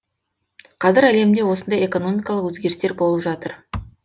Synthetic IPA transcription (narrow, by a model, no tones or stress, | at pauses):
qʰɑzɪɾæle̞md̪e̞wo̞sənd̪ɑje̞ko̞no̞mijkɑlˠəqwɵzɡʲe̞ɾst̪e̞ɾbo̞lˠəpʒɑt̪əɾ